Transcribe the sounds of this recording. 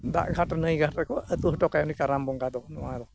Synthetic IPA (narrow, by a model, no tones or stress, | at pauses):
d̪a̰ʔɡʱaʈnəjɡʱaʈəkɔʔət̪uɦʈɔkajanikaɾambɔŋɡad̪ɔnɔwad̪ɔ